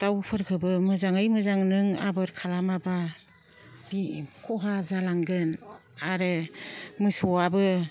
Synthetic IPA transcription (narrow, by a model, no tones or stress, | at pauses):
d̥awpʰɯɾkʰɯbɯmɯzaŋɯjmɯzaŋnɯŋa̰bɯɾkʰalamaba | bikʰɔɦazalaŋdɯnaɾɯmɯsɔabɯ